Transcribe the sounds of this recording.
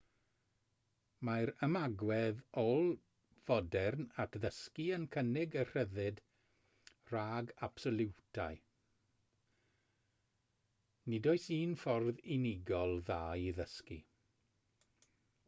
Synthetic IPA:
majɾəmaɡwɛðɔlˠ | v̥ɔdɛrnatʰðəskiənkʰənɪɡər̥əðɨd | r̥aːɡab̥sɔlˠɪwtʰaɨ | nɪdɔɨsiːnfɔrðinɪɡɔlˠðaːiðəskḭ

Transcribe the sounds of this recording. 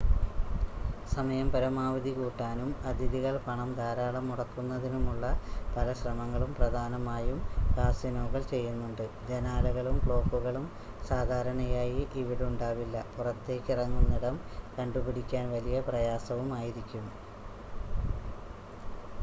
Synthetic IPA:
sɐmɐjɐmpɐɾɐmaːʋɐd̪ikuːʈːaːnumɐd̪ʱiðiɣɐɭpɐɳɐmd̪ʱaːɾaːɭɐmːuɽɐkːunːɐðinumuɭːɐpɐlɐɕrɐmɐŋːɐɭumprɐd̪ʱaːnɐmaːjumkaːsjɐnoːɣɐɭt͡ɕe̞jːunːuɳɖɨd͡ʑenaːlɐɣɐɭumkɭo̞ːkːuɣɐɭum | saːd̪ʱaːɾɐɳɐjaːjiʔiʋiɽuɳɖaːʋilːɐpurɐt̪ːe̞ːkʲːirɐŋːunːiɽɐmkɐɳɖubiɽikʲːaːnʋɐlijɐprɐjaːsɐʋumaːjiɾikʲːum

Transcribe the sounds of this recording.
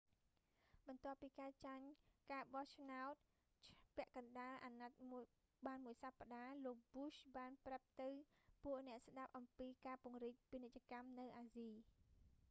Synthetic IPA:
ɓɑnt̪ŏəpːiːkaːt͡ɕaɲkaːɓɑht͡ɕʰnaɔt̪̚ | pɛ̆əʔkɑnɗaːʔaːnat̪̚m | ɓaːnmuəjsapːaɗaːloːk̚buɕɓaːnprap̚t̪ɨwpuəʔnɛ̆əʔsɗap̚ʔɑmpiːkaːpŭəŋriːc̚piənec̚t͡ɕăəkamnɨwʔaːziː

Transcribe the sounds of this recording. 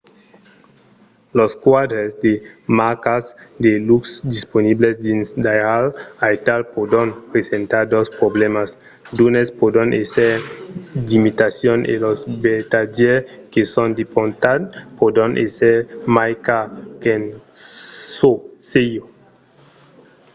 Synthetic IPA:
loskwad̪ɾesd̪emakasd̪eluksd̪isponiblesd̪insd̪ajɾalajt̪alpod̪onpɾesent̪aɾd̪ospɾoblemas | d̪unespod̪ɾanʔeseɾdimit̪asjonḛlozbet̪ad͡ʒekesond̪epont̪adpod̪anʔeseɾmajkaken | sosejo

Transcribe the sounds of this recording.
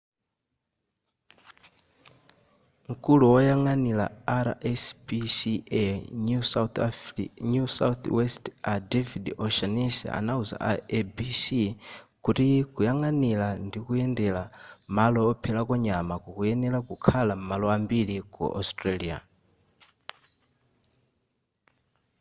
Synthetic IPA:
ŋ̩kʼuluwɔjaŋanila̰aɾa̰ʔɛsbisiɛusat̪ɲusa̰ut̪wɛstadɛvidɔʃanisɛ̰a̰nauza̰ʔaɛbisikutikujaŋanilandikuɛndɛlamalɔːpʰɛlakɔɲamakukuɛnɛlakukʰalam̩malɔambiɺikṵʔɔ̰stʼɾalia̰

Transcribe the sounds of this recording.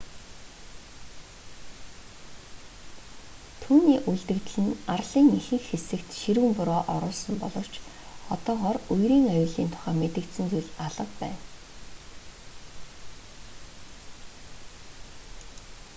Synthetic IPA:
t̪ʰuːniːʔuɮt̪ɘ̆kt̪̆ɮɘ̆narɮiːŋixɘ̆xxesɘ̆kt̪ʃiɾwɘ̆mpʊɾɔːʔɔɾʊːɮsɞ̆mpɔɮɞ̆w̥t͡ɕ | ɔt̪ɔːʁɔːrujɾiːŋajʊːɮiːnt̪ʰʊ̥χæːmet̪ɘ̆kt̪sɘ̆nt͡sujɮaɮə̆qpæːn

